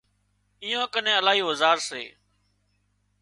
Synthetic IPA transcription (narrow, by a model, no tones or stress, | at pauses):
iːjãːkənẽːəlaːɦiːozaːɾsḛː